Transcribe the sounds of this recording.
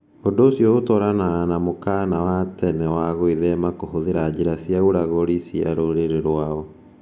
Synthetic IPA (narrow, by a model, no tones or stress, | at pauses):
ondoːsjɔotɔɾananamokanawatɛnɛwaɣoiðɛmakohoðeɾad͡ʑiɾasjauɾaɣoɾisia̰ɾoɾeɾeɾwaɔ